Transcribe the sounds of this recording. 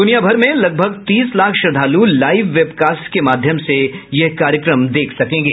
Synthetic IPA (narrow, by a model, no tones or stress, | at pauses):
d̪ʊnijabʱɐɾmẽlɐɡ̚bʱəɡt̪iːslaːkʰʃɐd̪ʱaːlulaːɪʋːeːbkaːsʈkemaːd̪ʱjəmsejɐɦkaːɾjəkɾəmd̪eːkʰsɐkẽːŋɡeː